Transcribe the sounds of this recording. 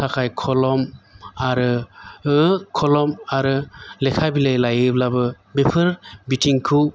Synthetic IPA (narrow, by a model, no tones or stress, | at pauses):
tʰakʰajkʰɔlɔmaɾɯɯkʰɔlɔmaɾɯlekʰabilajlajɯblabɯ | bepʰɯɾbitʰiŋkʰɯw